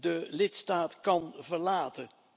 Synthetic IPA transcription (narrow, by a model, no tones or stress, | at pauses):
dəlɪtstaːtkɑnvəɹlaːtə